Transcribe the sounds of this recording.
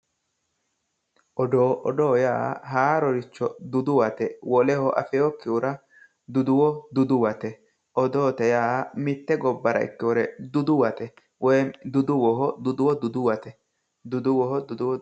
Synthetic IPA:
ʔɔd̪oːʔɔd̪oːja̰ːhaːɾɔɾɪt͡ʃːɔd̪ʊd̪ʊwɐt̪ɛwɔlɛhɔʔɐ̰fɛjokːɪʊɾɐ | d̪ʊd̪ʊwɔd̪ʊd̪ʊwɐt̪ɛ | ʔɔd̪oːt̪ɛjaːmɪt̪ːɛɡɔbːɐɾɐ̰ɪ̰kːɪwɔɾɛd̪ʊd̪ʊwɐt̪ɛ | wɔjd̪ʊd̪ʊwɔɦɔd̪ʊd̪ʊwɔd̪ʊd̪ʊwɐt̪ɛ | d̪ʊd̪ʊwɔɦɔd̪ʊd̪ʊwɔ

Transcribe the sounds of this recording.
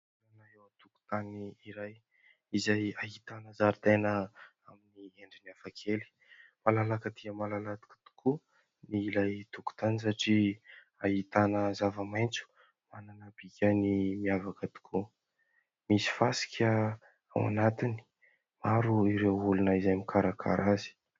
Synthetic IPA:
ɾanaewt̪uku̥t̪aniiɾaj | izajaɦit̪anəzaɾit̪enə | aminieɳɖ͡ʐiniafakʰeli̥ | malalakət̪iəmalalat̪i̥ki̥t̪u̥kʰu | niilajt̪uku̥t̪anisaʈ͡ʂi | aɦit̪anəzavəmajnt͡su̥ | mananəbikʲənimiavakət̪u̥kʰu | misi̥fasi̥kʰʲə | a̰wa̰nat̪ini̥ | maɾuiɾewulunəizajmikʰaɾakʰa̰ɾazi̥

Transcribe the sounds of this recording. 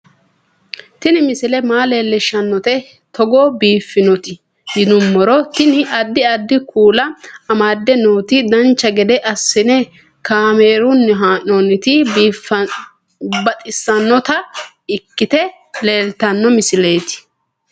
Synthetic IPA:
t̪ɪnɪmɪsɪlɛmaːle̞ːlːɛʃːɐnːɔt̪ɛ | t̪ɔɡoːbiːfːɪnɔt̪ɪ | jɪd̪ʊmːɔɾɔt̪ɪnɪʔɐd̪ːɪɐd̪ːɪkʰuːlɐɐmaːd̪ːɛnoːt̪ɪd̪ɐnt͡ʃːɐɡɛd̪ɛʔɐsːɪnɛ | kaːmeːɾʊnːɛɦaːʔonɪt̪ɪiːf | bɐt̪ʼɪsːɐnːɔt̪ɐ | ɪkːɪt̪ɛ | le̞ːlt̪ɐnːɔmɪsɪle̞ːt̪ɪ̥

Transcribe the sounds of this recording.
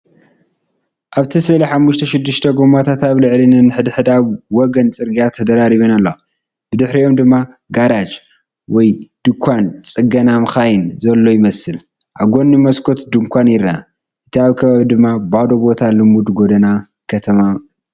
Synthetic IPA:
ʔaβt̪ʰisɨliħamːuʃt̪ʰɐʃɪd̪ːɨʃt̪ʰɐɡomat̪ʰat̪aβlɨʕlinɨnɨħɨd̪ħɨd̪aβwɔɡɐnt͡sʼɨɾɡijat̪ʰɐd̪ɐɾaɾiβɐnalːo | b̥ɨd̪ɨħɾio̞md̪ɨmːa | ɡaɾad͡ʒ | wɔjd̪̥ɨkʷʰant͡sʼɨɡɐnamɨxajɪnzɐlːo̞jɪmɐsɨl | ʔaβɡo̞nːɨmɐskʰo̞t̪d̪ɨŋkʷʰanjɪɾa | ʔɨt̪ʰiaβkʰɐβaβid̪ɨmːabad̪obo̞t̪ʰalɨmud̪ɡo̞d̪ɐna | kʰɐt̪ʰɐma

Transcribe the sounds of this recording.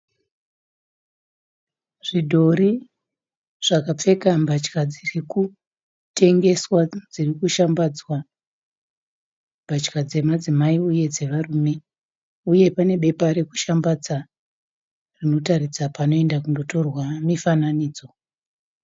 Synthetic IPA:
ʐ̥idʱo̞ɾi | ʐ̥akap͡fe̞kambat͡ʃkad͡ziriku | te̞ŋɡe̞swad͡zirikuʃambad͡zwa | mbʱat͡ʃkad͡ze̞mad͡zimaiuje̞d͡ze̞ʋaruːme̞ | uje̞pane̞ɓe̞paɾe̞ku̥ʃambad͡za | rino̞taɾid͡zapano̞e̞ndakundo̞to̞rwamifananiːd͡zo̞

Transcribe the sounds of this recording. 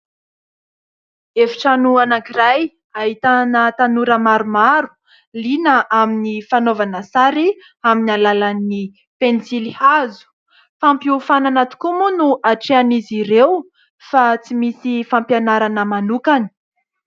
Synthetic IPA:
efi̥ʈ͡ʂanuanakiɾaj | aɦit̪anət̪anuɾəmaɾumaɾu̥ | linəʔaminifanovanəsaɾi | aminalalani | pensilihazu̥ | fampiufananat̪u̥kumunuʔaʈ͡ʂeaniziɾew | fat͡simisifampjanaɾanəmanukani̥

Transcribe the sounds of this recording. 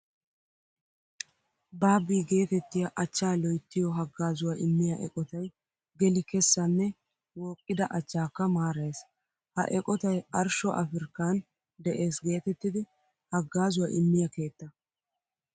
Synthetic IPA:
baːbːiːɡe̞ːt̪ɛt̪ːɪjɐʔɐt͡ʃːaːlɔjt̪ːɪjɔɦɐɡːaːzʊwaʔɪmːɪjaʔɛ̰kʼɔt̪ɐj | ɡɛlɪkɛsːɐnːɛ | woːkʼːɪd̪ɐʔɐt͡ʃːaːkːɐmaːɾɐjs | hɐ̰ʔɛkʼɔt̪ɐjɐɾʃɔʔɐ̰fɪɾkːan | d̪ɛʔe̞ːsɡe̞ːt̪ɛt̪ːɪd̪ɪ | hɐɡːaːzʊwaʔɪmːɪjɐke̞ːt̪ːɐ

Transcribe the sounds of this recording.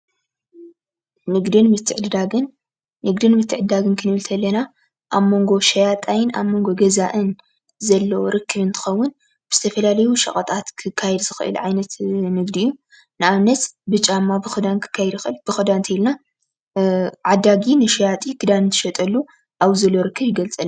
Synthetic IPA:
nɨɡd̪ɨnmɨt̪ʰːɨʕaɨnː | ɨɡd̪ɨnmɨt̪ʰːɨʕɨd̪aɡɨnkʰɨnɨβɨlt̪ʰɐlːɐna | ʔaβmo̞ŋɡo̞ʃɐjat̪ʼajɪna̰βmːo̞ŋɡo̞ɡɐzaʔɨn | zɐlːɐwoɾɨkʰːɨβɨnt̪ʰɨ̥xɐwːʊn | b̥ɨz̥ɨt̪ʰɐfɐlalɐjuʃɐ̰χʼɐt̪ʼat̪kʰɨkʰːajɛd̪zɨxɨ̰ʔɨ̰lʕajnɐt̪nɨɡd̪ijːu | nɨʔaβnɐt̪bɨt͡ʃʼamːabɨxɨd̪ankʰɨ̥kʰːajɛd̪jxɨlb̥ɨxɨd̪ant̪ʰɐilna | ʕad̪ːaɡinɨʃɐjat̪ʼikʰɨd̪anɨnt̪ʰɨ̥ʃɐt̪ʼɐlːu | ʔaβzɐlːo̞ɾɨkʰːɨβjɪɡɐlt͡sʼɨl

